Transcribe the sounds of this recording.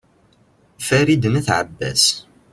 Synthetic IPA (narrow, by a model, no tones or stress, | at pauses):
fæɾid̪næθʕə̰bːæ̰s